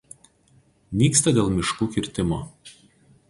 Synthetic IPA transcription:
nʲiːkst̪ɐd̪ʲeːlˠmʲɪʃkuːkʲɪɾʲt̪ʲɪmoː

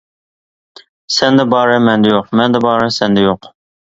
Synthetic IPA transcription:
sɛnd̪ɛbɑːɾɨmɛnd̪ɛjoqmɛnd̪ɛbɑːɾɨsɛnd̪ɛjoq

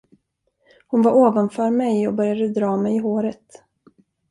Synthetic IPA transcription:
hʊnvaɾʔoːvanfœːɾmɛjɔbœɾjad̪əd̪ɾɑːmɛjɪɦoːɾət̪

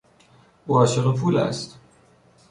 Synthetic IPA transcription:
ʔuːɒːʃeɣepʰuːlæ̰st̪

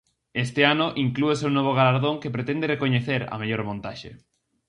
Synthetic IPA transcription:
est̪ɪanʊʔiŋklueseunoβ̞oɣ̞alaɾðoŋkepɾet̪ɛnd̪erekoɲeθeɾɐ̰meʎoɾmõnt̪aʃḛ

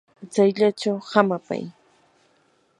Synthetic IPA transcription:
t͡sajʎaʈ͡ʂawhamapa̰j

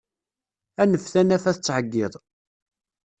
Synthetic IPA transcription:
ænəfθænæfæθt͡sːʕəɡːɪðˤ

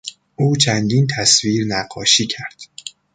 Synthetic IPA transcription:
ʔuːt͡ʃʰænd̪iːnt̪ʰæsviːɾnæɢɒːʃiːcʰæɾd̪̥

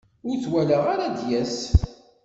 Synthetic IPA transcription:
ʊɾθwæləʁaɾad̪jæs

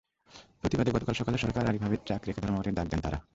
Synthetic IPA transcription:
pɾot̪ibad̪eɡɔt̪okalʃɔkaleʃɔɾkaɾaɾibʱabit̪̚t͡ʃakɾekad̪ʱɔɾmaɾed̪ak̚d̪ent̪aɾa̰

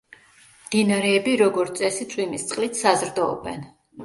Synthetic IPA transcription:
md̪̥inaɾɛːbiɾɔɡɔɾt̪sʼɛsid̪zʰʼwimist̪sʼqʼlit̪ʰsazɾd̪ɔɔ̰bɛ̰n

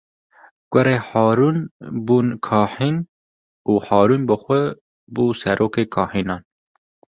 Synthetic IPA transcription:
ɡ̥ʷʊɾeːhɑːɾuːnbuːnkʰɑːħiːn | uːħɑːɾuːnbɨxʷɛ | buːsɛɾʔoːkeːkʰɑːħiːnɑːn

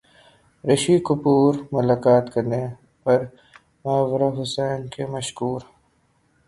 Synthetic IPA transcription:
ɾɐʃikʊpuːɾmʊlaːkaːt̪kɐɾne | pɐɾ | mʊaːʋɾaɦʊsɛːnkemɐʃkuːɾ

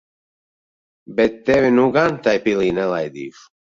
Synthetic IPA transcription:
bɛt̪ːɛvɪnuɡant̪ajpiliːnɛlajd̪ḭf

